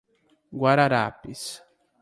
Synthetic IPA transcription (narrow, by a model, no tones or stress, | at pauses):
ɡwaɾaɾa̰pis